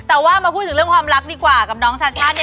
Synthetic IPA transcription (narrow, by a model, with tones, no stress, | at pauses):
t̪ɛː˨˩waː˥˩maː˧pʰu˥˩t̪ʰɯ˩˦ɾɯ˥˩əŋkʰwaː˧mɾa˦˥k̚diː˧kwaː˨˩ka˨˩p̚nɔː˨˧˥ŋsaː˧˩t͡ɕʰaː˥˩t̪̚nj